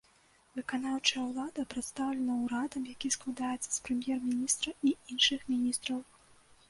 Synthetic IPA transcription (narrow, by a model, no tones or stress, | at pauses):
vɨkanawt͡ʂɐjɐwlˠad̪ɐpɾɨt̪st̪awlʲɛnɐwuɾad̪ɐmjakʲisklˠad̪ajɛt̪sɐ̥spɾɛmʲjɛrmʲinʲist̪ɾɐiinʂɨxmʲinʲist̪ɾɐw